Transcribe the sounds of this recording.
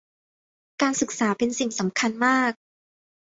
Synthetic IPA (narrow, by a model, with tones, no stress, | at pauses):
kaː˧nsɯ˨˩k̚saː˩˦pe˧nsi˨˩ŋsa˩˦mkʰa˧nmaː˥˩k̚